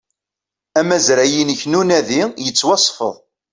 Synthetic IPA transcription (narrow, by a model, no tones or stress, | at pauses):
æmæzɾæjinəçnunæðijət͡sːwɑsˤːfə̰ðˤ